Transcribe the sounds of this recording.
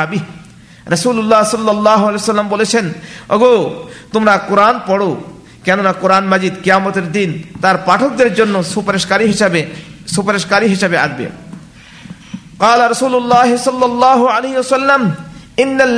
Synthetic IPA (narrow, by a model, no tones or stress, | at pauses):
abi | ɾɐsuːlulːaɦsɔlːɐlːɑːɦoaleːjosɐlːambolet͡ɕʰeno̰ɡot̪omɾakoɾanpɔɽo | kɛnonakoɾanmɐd͡ʑid̪kijaːmot̪eɾd̪int̪aɾpaʈʰok̚d̪eɾd͡ʑonːosupaɾeʃkaɾiɦiʃabesupaɾeʃkaɾiɦiʃabea̰ɡbḛ | qɑːlaɾɐsuːlulːaːɦesɔlːɐlːɑːɦoaleɦiwɐsɐlːam | inːalː